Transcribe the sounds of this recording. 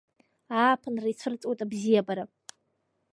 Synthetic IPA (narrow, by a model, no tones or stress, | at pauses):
aːpʰɨnrait͡sʷʰɨrt͡sʼwetʼabzijabaɾa